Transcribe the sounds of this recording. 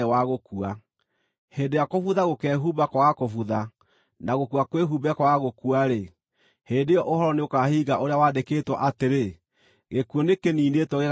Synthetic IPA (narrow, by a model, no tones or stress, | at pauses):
waɣokua | heːndejakofuðaɣokɛɦubakɔakofuða | naɣokuakweɦubɛkɔɣaɣokuaɾe | heːndejɔʔohɔɾɔneokahiːɣaʔoɾeawadekeːtwɔʔateɾe | ɣekuonekeniːnetwɔɣeɣ